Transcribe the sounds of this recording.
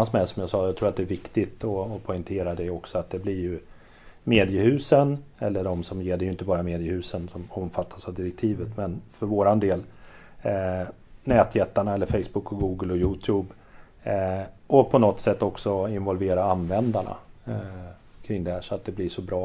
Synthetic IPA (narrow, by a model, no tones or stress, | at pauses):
asmɛsɔmjasɑːjaɡt̪ʰɾuːɾat̪̚d̪ɛːvɪkt̪ɪt̪ɔːpʰɔɪnt̪ʰeːɾad̪ɛjɔksɔat̪̚d̪ɛblɪɾjɵ | meːd̪ɪəhʉ̟ːsənɛ̰lːəɖɔmsɔmjeːɖɛjɵɪnt̪əbɑːɾameːd̪ɪəhʉ̟ːsənsɔmɔmfat̪ʰːasavd̪ɪɾɛk̚t̪ʰiːvət̪mɛnfœɾvoːɾand̪eːl | nɛːt̪ʰjɛt̪ːaɳaɛlːəɾfɛɪsbɵkːɔɡuːɡəlɔjuːt̪ʰjuːb | ʔɔpʰɔnɔt̪sɛt̪ːɔksɔɪnvɔlveːɾaanvɛnd̪aɳa̰ | kʰɾɪŋd̪ɛhæːʂɔat̪̚d̪ɛblɪʂɔbɾɑː